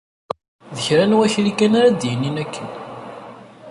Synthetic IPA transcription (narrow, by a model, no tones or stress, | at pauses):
ðəçɾænwæçlikænaɾad̪jənːinækːən